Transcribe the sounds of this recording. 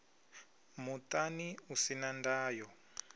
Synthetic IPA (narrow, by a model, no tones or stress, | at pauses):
mut̪aniusinandaːjɔ